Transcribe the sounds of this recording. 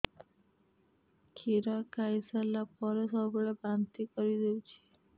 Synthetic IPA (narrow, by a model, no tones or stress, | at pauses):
kʰiɾɔkajsalapɔɾesɔbɔɭebant̪ikɔɾid̪ewt͡ʃʰi̥